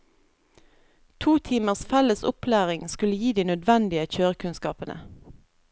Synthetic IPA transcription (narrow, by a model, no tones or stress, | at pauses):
t̪ʰuːt̪ʰiːməʁsfɛləsʊpʰlæːʁɪŋskʉləjiːd̪iːnœd̪ʋɛnd̪ɪəçøːʁəkʉnskɑ̰ːpənʔə̰